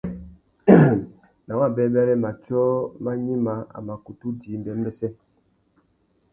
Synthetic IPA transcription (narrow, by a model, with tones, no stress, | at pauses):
na˨wa˦˨bɛ˦bɛ˦lɛ˦ma˨t͡ʃɔ˦ma˦ɲi˦ma˨˦a̰˨ma˨ku˨tu˦di˨˦m̩˦bɛ˦m˦bɛ˦sɛ˦